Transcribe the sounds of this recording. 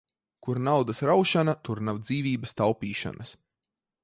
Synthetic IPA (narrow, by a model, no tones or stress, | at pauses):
kuɾnawd̪ɐsɾawʃanat̪uɾnawd̪ziːvʲiːbəst̪awpiːʃa̰nʔɐs